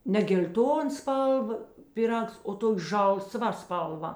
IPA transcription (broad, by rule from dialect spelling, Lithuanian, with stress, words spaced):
nʲɛ ɡʲɛlʲˈtoːn ˈspɐlˠˌʋɐ pʲɪˈrɐks oː ˈtoːkʲ ˈʒɐlˠˌsʋɐ ˈspɐlˠˌʋɐ